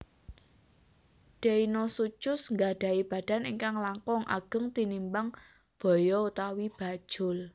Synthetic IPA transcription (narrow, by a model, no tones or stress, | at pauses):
ɖ̥einosut͡ʃʊsŋɡaɖ̥a̤ib̥ä̤ɖ̥a̤niŋkaŋlaŋkɔŋʔa̰ɡ̥ə̤ŋt̪inimbaŋ | b̥ɔ̤jɔut̪awib̥a̤d̥ʒ̥ʊl